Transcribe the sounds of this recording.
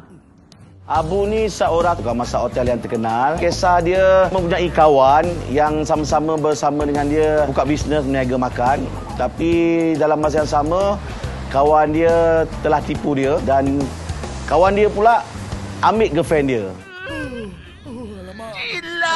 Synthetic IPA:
ʔabunisaʔoɾaukanmasaot̪ɛljaŋt̪ərkənalkesahdiəmə̃mpuɲaikawanjaŋsamasaməbərsamə̃dəŋãndiəbukaʔbisnəsməniaɡamakan | t̪apidalamːas̬ajaŋsamə | kawandiət̪əlaht̪ipudiədan | kawandiəpulaamɪʔ̚ɡəfɛndiə

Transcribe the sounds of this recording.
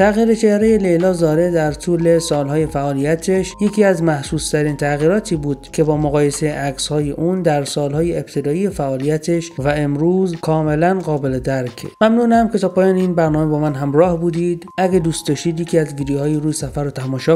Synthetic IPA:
t̪ʰæɣiːɾet͡ʃʰehɾejele̞jlɒːzɒːɾed̪æɾt̪ʰuːle̞sɒːlɦɒːje̞fæʔɒːlijæt̪ʰe̞ʃje̞cʰiːæzmæhsuːst̪ʰæɾiːnt̪ʰæɣiːɾɒːt̪ʰiːbuːd̪̥kʲʰe̞bɒːmoɣɒːje̞seʔækshɒːje̞ʔuːnd̪æɾsɒːlɦɒːjeeb̚t̪ʰe̞d̪ɒːijefæʔɒːlijæt̪ʰeʃvæemɾuːzkʰɒːme̞lænɢɒːbe̞le̞d̪æɾkʰmæmnuːnæmkʰe̞t̪ʰɒːpʰɒːjɒːneiːnbæɾnɒːme̞bɒːmænɦæmɾɒːhbuːd̪iːd̪æɡed̪uːst̪d̪ɒːʃt̪iːd̪jecʰiːæzviːd̪jhɒːjiɾuːjesæfæɾot̪ʰæmɒːʃɒː

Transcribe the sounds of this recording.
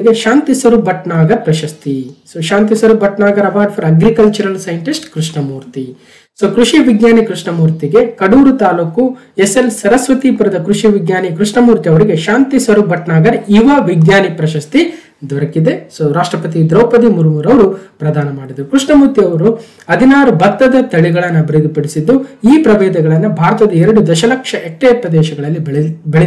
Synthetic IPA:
ɡeʃaːnt̪isɐɾubɐʈɳaːɡɐɾpɾɐʃɐst̪isoːʃaːnt̪isɐɾubɐʈnaːɡɐɾɐʋaːɾɖpʰɐɾɐɡɾikɐlt͡ʃuɾɐlsɐjɐɳʈisʈkɾuʂɳɐmuːɾt̪i | soːkɾuʂiʋiɡɲaːnikɾuʂɳɐmuːɾt̪iɡe̞kɐɽuːɾut̪aːluːku | eselsɐɾɐsʋɐt̪iːpuɾɐd̪ɐkɾuʂiʋiɡɲaːnikɾuʂɳɐmuːɾt̪iɐʋɐɾiɡe̞ʃaːnt̪isɐɾubɐʈnaːɡɐɾiʋɐʋiɡjaːnipɾɐʃɐst̪i | d̪ɔɾɐkid̪e̞soɾaːʂʈɾɐpɐt̪id̪ɾoːpɐd̪imuɾumuːɾɐʋɐɾupɾɐd̪aːnɐmaːɽid̪ɾukɾuʂɳɐmuːɾt̪iɐʋɐɾu | ɐd̪ʱinaːɾubɐt̪ːɐd̪ɐt̪ɐɭiɡɐɭɐnːɐbʱiɾid̪ʱipɐɽisid̪ːuiːpɾɐʋeːd̪ɐɡɐɭɐnːɐbʱaːɾɐt̪ɐd̪ɐɛɾɐɽud̪ɐʃɐlɐkʂɐʔekʈːeːpɾɐd̪ɛːʃɐɡɐɭɐlːibbeɭ

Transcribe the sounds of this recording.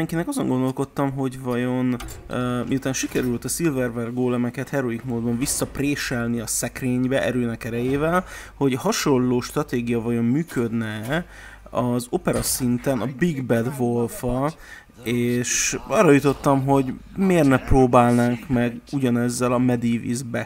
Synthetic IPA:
ɛŋkinɛkɒzo̞ŋɡond̪o̞lko̞t̪ːɒmɦo̞ɟvɒjo̞nː | miut̪aːnʃikɛɾylt̪ɒsilvɛrvɛrɡoːlɛmɛkɛt̪hɛɾo̞ikmoːd̪bɒɱvisːɒpreːʃɛlniɒsɛkreːɲbɛʔɛ̰ɾøːnɛkɛɾɛjeːvɛlho̞ɟhɒʃo̞llːoːʃt̪rɒt̪eːɡijɒvɒjo̞mːyːkød̪nɛ | ɒzo̞pɛɾɒsint̪ɛnɒbiɡbɛd̪vo̞lfɒ | eːʃɒrːɒjut̪o̞t̪ːɒmɦo̞ɟmeːrnɛproːbaːlnaːŋkmɛɡuɟɒnɛzːɛlɒmɛd̪iːvḭzbɛ

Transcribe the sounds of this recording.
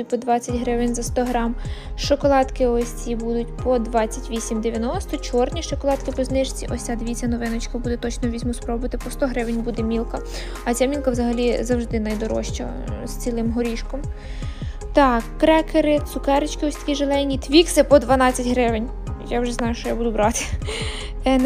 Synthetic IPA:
ʊtʲpɔd̪ʋɑt͡sʲːɐtʲɦɾɪʋɪnʲzɐst̪ɔɦɾɑmʃɔkɔlˠɑt̪kɪɔsʲt͡sʲibud̪ʊtʲpɔd̪ʋɑt͡sʲːɐtʲʋʲisʲimd̪eʋʲjɐnɔst̪ɔt͡ʃɔrnʲiʃɔkɔlˠɑt̪kɪpɔznɪʒt͡sʲiʔɔsʲt͡sʲad̪ʋʲit͡sʲɐnɔʋɪnɔt͡ʃkɐbud̪ɛt̪ɔt͡ʃnɔʋʲizʲmɔspɾɔbʊʋɐt̪ɪpɔst̪ɔɦɾɪʋɪnʲbud̪ɛmʲilˠkɐ | ɐt͡sʲamʲilˠkɐwzɐɦɐlʲizɐwʒd̪ɪnɐjd̪ɔɾɔ̰ʃt͡ʃɐ̰ | st͡sʲilˠɪmɦɔɾʲiʃkɔm | t̪ɑkːɾɛkeɾɪt̪sʊkɛɾet͡ʃkɪɔsʲt̪ɐkʲiʒelˠɛjnʲit̪ʋʲiksɪpɔd̪ʋɐnɑt͡sʲːɐtʲɦɾɪʋɪnʲ | jawʒɛznɑjʊʃt͡ʃɔjabud̪ʊbɾɑt̪ɪ̥ | ɛn

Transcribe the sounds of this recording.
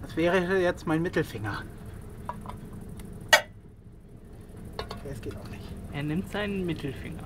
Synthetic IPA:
d̥asv̥ɛːʁəjɛt͡stmaɪnmɪtl̩fɪŋɐ | ɛsɡ̥eːtaʊxnɪçtʔeːɐnɪmtz̥aɪnənmɪtʰl̩fɪ̰ŋɐ

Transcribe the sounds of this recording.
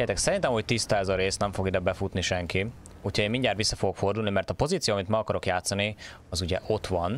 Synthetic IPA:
ɛt̪ɛksɛɾint̪ɛmhoc̚t̪ist̪aɛzɒɾeːsnɛɱfo̞ɡid̪ɛbɛfut̪niʃɛŋki | ucʰhɒeːmiɲɟaːt̪ʋisːɒfo̞ɡo̞kfo̞rd̪uːlnimɛrt̪ɒpo̞ziːt̪sijoːmit̪mɛɒkɒɾo̞kjaːt̪sɒni | ɒzuɟɛʔo̞t̪ʋɒn

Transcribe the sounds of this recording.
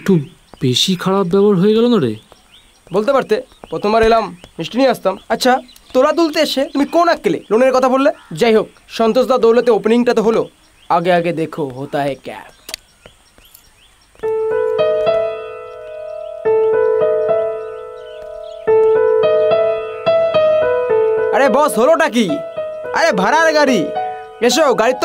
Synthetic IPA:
k̚ʈu | beʃikʰaɽabbɛbaɾɦoeɡɛlonaɾḛ | bolt̪epaɾt̪epɾot̪ʰomaɾelamːisʈinieast̪amɐtːɕʰa | t̪oɾat̪̬ult̪eeʃet̪umikonakːelḛloneɾkɔt̪ʰabolːed͡ʑajɦok̚ʃɔnt̪osd̪ad̪owlet̪eopeniŋʈat̪oɦolo | aɡeaɡed̪ekʰoɦot̪aekɛ̰ | aɾebɔsɦoloʈak̬ia̰ɾebʱaɾaɾɡaɾi | eʃ̬oɡaɾit̪ːo

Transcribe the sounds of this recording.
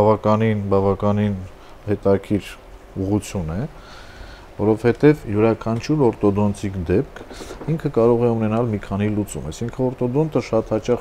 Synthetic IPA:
ɑvɑkɑninbɑvɑkɑnin | hɛt̪ɑkʰiɾ | uʁut͡sʰjunɛ | vɔɾɔvhɛt̪ɛvjuɾɑkʰɑnt͡ʃʰuɾɔɾt̪ɔd̪ɔnt͡sʰikd̪ɛp̚kʰiŋkʰəkɑɾɔʁɛunɛnɑlmikʰɑnilut͡sṵmɑjsiŋkʰəɔɾt̪ɔd̪ɔnt̪əʃɑt̪hɑt͡ʃɑχ

